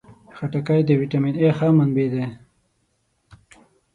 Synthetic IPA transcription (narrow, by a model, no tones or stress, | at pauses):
xaʈakajd̪əwiʈaminexaːmanbid̪e